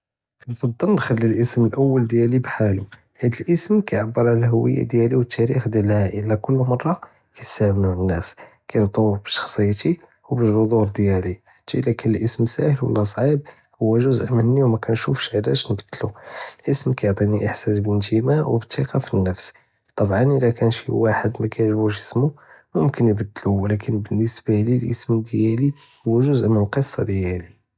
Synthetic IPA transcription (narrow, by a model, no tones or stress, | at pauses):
bfɑd̪ˤːɑlnxælːilʔəsməlʔəwːəld̪jælibħalu | hæd̪əlʔəsmkæjʕabːəɾˤʕalæɦʊwə̰jːa̰d̪jæliwət̪ʰːæɾixd̪jælhæʔəlːækʊlːmɑrˤːɑ | kæsæhəmænənːæs | kæjnt̪ˤuwfbəʃɑ̥xsˤəjːt̪i | wbəʒɾod̪uɾd̪jæliħat̪ːilækənəlʔəsmsæ̰həlwə̰lːæs̬ˤʕib̚ | hʊwːæʒuzʔmənːiwmækænʃufʃʕd̪æʃnəbəd̪ːlulʔəsmkæjoʕt̪ˤiniʔəħsæsbənt̪imawbət̪ʰːiqɑfinːəfs | t̪ˤɑbʕɑnəlækænʃiwaħəd̪mækæjʕʒbuʃ̬əsmu | mʊmkənjbəd̪ːəluwlækʰənbənːəsbalilʔəsmd̪jæli | hʊwːæʒuzʔməqəsˤːɑd̪jæli